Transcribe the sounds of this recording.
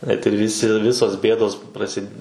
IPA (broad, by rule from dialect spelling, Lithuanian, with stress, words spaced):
nʲɛt ɪr ˈʋʲɪsʲɪ ˈʋʲɪsoːs ˈbʲeːdoːs prɐˈsʲɪt